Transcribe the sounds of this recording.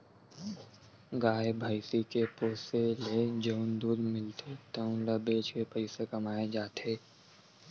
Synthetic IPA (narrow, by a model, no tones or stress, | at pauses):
ɡaːebʱaːɪsikepoːseled͡ʒəʊnd̪uːɾmɪlt̪ʰet̪ɐʊ̃labeːt͡ʃwepəɪsekɐmaːed͡ʒaːt̪ʰeː